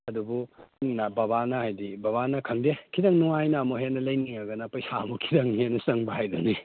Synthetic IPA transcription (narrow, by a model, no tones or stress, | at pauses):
ɐdubunabɐβanɐhajdibɐβanɐkʰɐŋdekʰidɐŋnuŋajnɐːmoɦenːɐlɐjniŋɐɡɐnapɐjsamukʰi̥dɐŋɦenːɐsɐŋbaɦajduni